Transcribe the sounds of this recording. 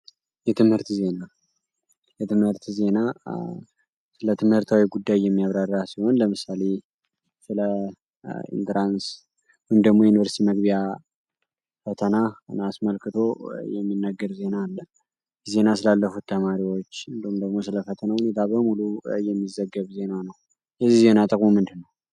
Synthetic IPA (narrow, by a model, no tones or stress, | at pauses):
jɛt̪ʰɨmhɨɾt̪ze̞na | jɛt̪ʰɨmhɨɾt̪ze̞na | sɨlət̪ʰɨmhɨɾt̪ʰawiɡud̪ːajːɛmːiaβɾarːasiho̞nləmɨsale̞ | sɨlə | ḭnt̪ɾans | wumd̪əɡmo̞jɛjunivəɾsit̪iməɡβija | fət̪ʰənanasməlkʰɨt̪ʰo̞jɛmːinːəɡːəɾze̞nalːə | ze̞nas̬ɨlalːəfut̪ʰːəmaɾiwo̞t͡ʃːɨnd̪əhumd̪əɡmo̞s̬ɨləfət̪ʰənahune̞t̪ʰabəmulujɛmːizəɡːəβze̞nanəw | jɛzːihze̞nat̪ʼɨkʼumɨnd̪ɨnːəw